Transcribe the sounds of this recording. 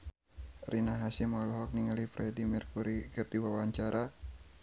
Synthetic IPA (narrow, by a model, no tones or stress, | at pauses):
rʔinaɦasimɔlɔɦɔk̚niŋalifɾɛdimirkuɾikɨrdiwawaɲt͡ʃaɾa